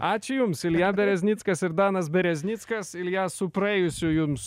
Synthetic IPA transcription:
ɑːt͡ʃʲʊjʊmsɪlʲjæbʲɛɾʲɛzʲnʲit̪skɐsɪɾd̪ɑːnɐs̬bʲɛɾʲɛzʲnʲiːt̪skɐsɪlʲjæːsʊpɾɐɛːjʊsʲʊjʊms

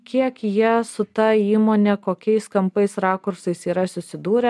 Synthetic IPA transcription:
kʲiɛkjiɛsʊt̪ɐiːmoːnʲɛkoːkʲɛɪskɐmpɐɪsɾɑːkʊɾsɐɪsiːɾɐsʊsʲɪd̪uːɾʲɛ

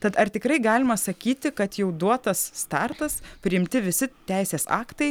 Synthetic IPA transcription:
t̪ɐt̪ɐrt̪ʲɪkɾɐɪɡɑːlʲɪmɐsɐkʲiːt̪ʲɪkɐt̪jɛʊd̪uɔt̪ɐsːt̪ɑrt̪ɐspʲɾʲɪɪmʲt̪ʲɪʋʲɪsʲɪt̪ʲæɪsʲeːsɑ̰ːkt̪ɐɪ

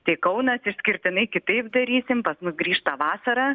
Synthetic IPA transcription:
t̪ɐɪkɐʊnɐsɪʃʲsʲkʲɪɾʲt̪ʲɪnɐɪkʲɪt̪ɐɪpd̪ɐɾʲiːsʲɪmpɐsmʊsɡɾʲiːʃt̪ɐʋɑːsɐɾɑː

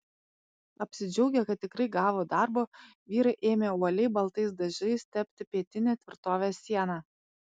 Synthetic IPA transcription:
ɐpʲsʲɪd͡ʒʲɛʊɡʲɛkɐt̪̚ʲt̪ʲːɪkɾɐɪɡɑːʋoːd̪ɑˑɾbo | ʋʲiːɾɐɪʔeːmʲeːuɔlʲɛɪbɐlˠt̪ɐɪs̬d̪ɐʒʲɐɪst̪ʲɛpʲt̪ʲɪpʲiɛt̪ʲɪnʲɛːt̪ʲʋʲɪɾt̪oːʋʲesʲiɛnɑ

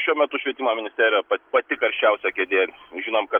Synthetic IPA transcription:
ʃʲuɔmʲɛt̪ʊʃʲʋʲiɛt̪ʲiːmoːmʲɪnʲɪsʲt̪ʲæːɾʲɪjopɐpɐt̪ʲɪkɐɾʲʃʲt͡ʃʲɛʊsʲɛkʲeːd̪ʲeːlʲʒʲɪnomkɐ

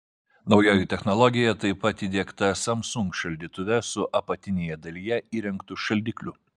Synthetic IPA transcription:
nɒʊjoːjɪt̪ʲɛxnɔlˠɔɡʲɪjɛt̪ɐɪpɐt̪iːd̪ʲeɛkt̪ɐsɐmsʊŋkʃɐlʲd̪ʲiːt̪ʊʋʲɛsʊʔɐpɐt̪ʲɪnʲeːjɛd̪ɐlʲiːjɛiːɾʲɛŋkt̪ʊʃɐlʲd̪ʲiːklʲʊ

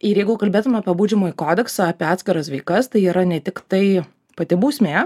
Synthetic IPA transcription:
ɪɾjɛɪɡʊkɐlʲbʲeːt̪ʊmʲɐːpʲiɛbuːd͡ʒʲɛmoːikoːd̪ʲɛksɐɐːpʲiːɑːt̪ʲsʲkʲɪɾɐsʋɐɪkɐst̪ɐɪiːɾɐnʲɛt̪ʲɪkt̪ɐɪ | pɐt̪ʲɪbuːsʲmʲeː

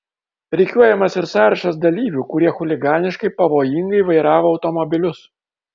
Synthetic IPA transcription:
ɾʲɛɪkʲuɔjɛmɐsɪɾsɑːɾɐʃɐs̬d̪ɐlʲiːʋʲuːkʊɾʲiɛxʊlʲɪɡɑːnʲɪʃkɐɪpɐʋoːjɪŋɡɐɪʋɐɪɾɑːʋoːʊt̪ɔmɔbʲɪlʲʊs

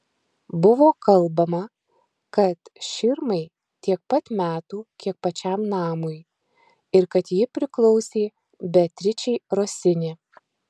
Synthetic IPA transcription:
bʊʋoːkɐlˠbɐmɐ | kɐt̪ʃʲɪɾmɐɪ | t̪ʲiɛk̚pɐt̪mʲæːt̪uːkʲiɛk̚pɐt͡ʃʲæmnɑːmʊj | ɪɾkɐt̪jɪpʲɾʲɪklˠɒʊsʲeː | bʲɛt̪ʲɾʲɪt͡ʃʲɛɪɾoːsʲɪnʲɪ

